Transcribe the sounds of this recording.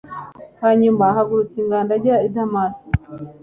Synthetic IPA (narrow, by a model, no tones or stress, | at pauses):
haːɲumaɦaɡuɾut͡siŋɡaːndaɟaaidamasi̥